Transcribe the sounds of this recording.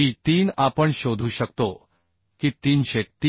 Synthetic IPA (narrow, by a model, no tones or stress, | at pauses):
it̪iːnapəɳɕod̪ʱuːɕəkt̪o | kiːt̪iːnɕet̪ː